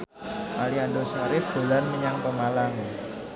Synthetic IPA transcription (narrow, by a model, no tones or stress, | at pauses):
ʔaliandosaɾɪfd̪̥o̤lanməɲaŋpəmalaŋ